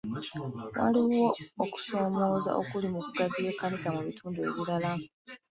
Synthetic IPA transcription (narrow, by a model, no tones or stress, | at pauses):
wa̰liwwo̞ːku̥so̞ːmo̞ːza̰ʔo̰kulimukuɡazijekːanisamuβitʰuːndue̞̰βiɾala